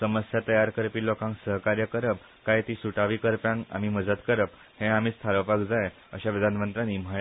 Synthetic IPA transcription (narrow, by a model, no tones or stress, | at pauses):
səməsjat̪əjaɾkəɾpiːlokãŋksəɦkaɾjəkəɾəp̚ | kajt̪iːsuʈaʋiːkəɾpjãŋa̰m̤iːməd͡zət̪kəɾəp | hẽam̤iːst̪ʰaɾəpakd͡zaj | ə̰ɕaʋid̪ʱanmənt̪ɾaniːm̤aj